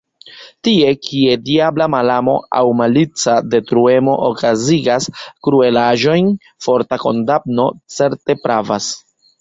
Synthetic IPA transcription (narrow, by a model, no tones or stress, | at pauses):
tie̞kʰie̞diablamalamo̞a̰wmalit͡sade̞tɾue̞mo̞ʔokaziɡaskɾue̞laʒo̞jn | fo̞ɾtako̞̰ndap̚no̞t͡se̞ɾte̞pɾavas